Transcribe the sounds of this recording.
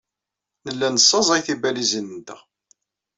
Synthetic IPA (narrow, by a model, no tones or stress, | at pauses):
nəlːænəsˤːɑzˤæjθibælizənnt̪əʁ